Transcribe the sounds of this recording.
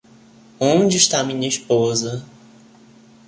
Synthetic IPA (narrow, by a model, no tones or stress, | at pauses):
õd͡ʒɪːʃt̪amĩɲɐispozɐ